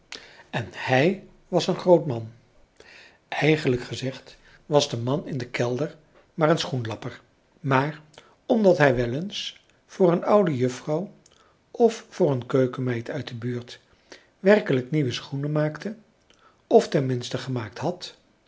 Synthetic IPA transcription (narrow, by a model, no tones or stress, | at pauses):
ɛnhɛj | ʋɑsənχrowtmɑn | ɛjχənləkχəzɛχt | ʋɑzdəmɑnɪndəkɛlˠdəɹ | maːɹənsχunlɑpəɹ | maːɹ | ɔmdɑtɦɛjʋɛləns | v̥ʊːrənʌwdəjɵfrɑw | ʔɔffʊːɹənkøɥkəmɛjtœɥt̚dəbyːɹt | ʋɛrkələkniʋəsχunəmaːktə | ɔftɛnmɪnstəχəmaːk̚tɦɑt